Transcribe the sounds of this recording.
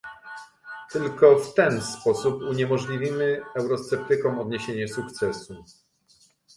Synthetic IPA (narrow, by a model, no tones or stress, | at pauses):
t̪ɘlkɔft̪ɛnspɔsupuɲɛmɔʐlʲivʲimɘɛwɾɔst̪sɛp̚t̪ɘkɔ̃w̃ɔd̪ɲeɕeɲɛsukt̪sɛsu